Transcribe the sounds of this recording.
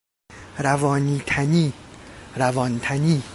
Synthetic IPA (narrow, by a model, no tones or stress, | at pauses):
ɾævɒːniːt̪ʰæniːɾævɒnt̪ʰæniː